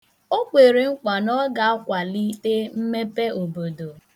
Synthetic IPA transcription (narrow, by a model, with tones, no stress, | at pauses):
o˦kʷe˨ɾe˨ŋ͡m̩˦kʷa˨nɔ˦ɡa˨a˦kʷa˨li˦te˦m̩˦me˦pe˦o˨bo˨do˨